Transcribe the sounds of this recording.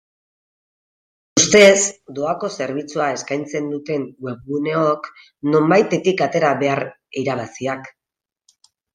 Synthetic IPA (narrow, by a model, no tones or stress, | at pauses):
ust̪e̞zd̪o̞ako̞se̞ɾβ̞it͡suae̞skajnt͡se̞nd̪ut̪e̞ŋwe̞βɣune̞o̞k | no̞mbajt̪e̞t̪ikat̪e̞ɾaβe̞aɾ | iɾaβ̞asiak